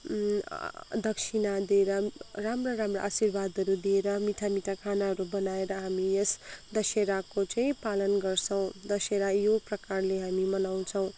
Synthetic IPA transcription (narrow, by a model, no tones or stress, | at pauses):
d̪ʌksinad̪ieɾʌramraɾamra̰ːsirbad̪ʱʌɾud̪ieɾʌmit̪ʰamit̪ʰakʰanaɦʌɾubʌnaeɾʌɦamiesd̪ʌseɾakot͡sʌĩpalʌnɡʌrt͡sʰʌw̃d̪ʌseɾajoprʌkarleɦamimʌnaw̃t͡sʰʌw̃